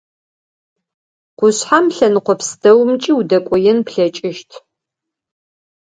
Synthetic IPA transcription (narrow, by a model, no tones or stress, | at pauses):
qʷʊɕħamɬɐnɨqʷɔpʰsdɐwmt͡ʃʼiudɐkʷʼɔjɛnpɬɐt͡ʃʼɪʃtʰ